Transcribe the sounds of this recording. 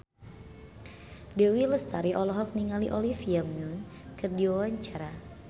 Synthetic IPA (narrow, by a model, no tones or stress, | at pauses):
dewiləst̪aɾiʔɔlɔɦɔk̚niŋaliʔɔlifiamɲun | kɨrdiwawaɲt͡ʃaɾa